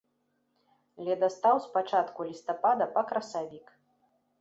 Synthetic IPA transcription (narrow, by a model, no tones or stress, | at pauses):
lʲɛd̪ɐst̪awspat͡ʂat̪kulʲist̪apad̪ɐpɐkɾɐsavʲik